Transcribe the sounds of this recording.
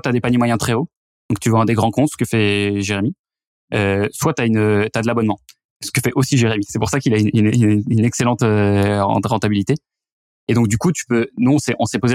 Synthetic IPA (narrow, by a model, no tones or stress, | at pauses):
wat̪yad̪epaɲemwajɛ̃t̪χɛo | d̪̥ɔ̃k̚t̪yvɑ̃ɛ̃d̪eɡʁɑ̃kɔ̃t̪sə̥kəfɛʒeʁemi | øswat̪yaynøt̪yad̪əlabɔnmɑ̃ | sə̥kəfɛʔosiʒeʁemisɛpuʁsakʲilaynnynɛkselɑ̃t̪øɑ̰̃ʁɑ̃t̪abilit̪e | ed̪ɔ̃k̚d̪ykut̪y̥pønuɔ̃sɛʔɔ̃sɛpoze